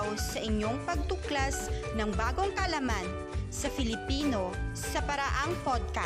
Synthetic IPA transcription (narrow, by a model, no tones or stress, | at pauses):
wsɐʔɪɲo̞ŋpɐɡ̚t̪ʊklasnɐŋbaːɡo̞ŋkɐʔɐlaman | sɐfɪlɪpiːno̞sɐpɐɾaʔaŋfod̪̚ka